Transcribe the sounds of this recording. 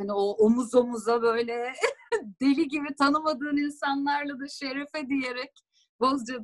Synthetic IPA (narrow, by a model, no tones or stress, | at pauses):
hanioʔomuzomuzabø̞jlʲɛ | d̪elʲiɟibit̪ʰanɯmad̪ɯːninsanlˠaɾlˠad̪aʃe̞ɾɛfɛd̪ije̞ɾɛc̚ | bo̞zd͡ʒad̪